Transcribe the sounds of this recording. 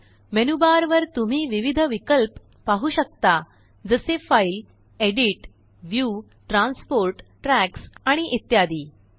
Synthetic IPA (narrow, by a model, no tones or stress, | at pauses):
menubaɾʋəɾt̪um̤iːʋiʋid̪ʱəʋikəlpː | aɦuːɕək̚t̪a | d͡zəsefail | eɽiʈ | ʋju | ʈɾãnspoɾʈʈɾæksaɽ̃iʔit̪jad̪iː